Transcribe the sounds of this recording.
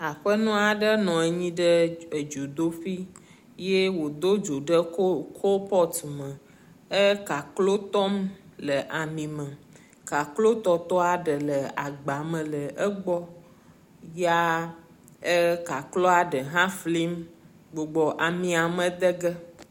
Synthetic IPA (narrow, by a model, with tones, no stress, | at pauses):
a˨ɸə˦nũ˦a˨ɖə˦nɔ̃˨ɛ˨ɲĩ˦ɖə˦ə˨d͡ʒo˨d̪o˦fi˦ | je˦wo˨d̪o˦d͡ʒo˨ɖə˦o˦kʰo˦pɔ˦t̪mə̃˨ | ə˦ka˨klo˦t̪ɔ˦mlə˨ʔa˨mĩ˨mə̃˨ | ka˨klo˦t̪ɔ˨t̪ɔ˦a˨ɖə˨lə˨a̰˨ɡ͡ba˨mə̃˨lə˨ʔə˦ɡ͡bɔ˦ | ja˦ | ə˦ka˨klɔ˦a˨ɖə˨ɦã˦fli˦m | ɡ͡bo˨ɡ͡bɔ˨ʔa˨mĩ˨a˨mə˦d̪ə˦ɡə˦